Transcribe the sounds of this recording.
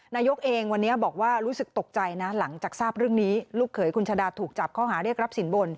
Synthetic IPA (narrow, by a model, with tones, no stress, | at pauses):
naː˧jo˦˥k̚ʔeː˧ŋwa˧nːi˦˥ɐbɔː˨˩k̚waː˥˩ɾuː˦˥sɯ˨˩k̚t̪o˨˩k̚t͡ɕa˧jna˦˥la˩˦ŋt͡ɕaː˨˩k̚saː˥˩p̚ɾɯ˥˩əŋniː˦˥luː˥˩kʰːɤː˩˦jkʰu˧nt͡ɕʰaː˧daː˧t̪ʰuː˨˩k̚t͡ɕa˨˩p̚kʰɔː˥˩ɦaː˩˦ɾi˥˩ək̚ɾa˦˥p̚si˩˦nbo˧n